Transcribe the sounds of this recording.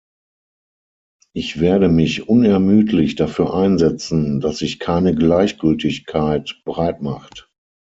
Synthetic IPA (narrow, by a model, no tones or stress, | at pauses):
ʔɪçv̥eːɐɾəmɪçʔʊnɛɐmyːtʰlɪçd̥afyːɐʔaɪnzɛt͡sn̩dasɪçkʰaɪnəɡlaɪçɡ̥ʏltɪçkʰaɪtb̥əʁaɪtmaχt